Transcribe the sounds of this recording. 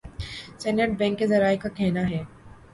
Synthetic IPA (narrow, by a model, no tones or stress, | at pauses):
sɛːnəʈ̚bɛ̃ːŋkːezɐɾaːekakɛɦnaɦɛː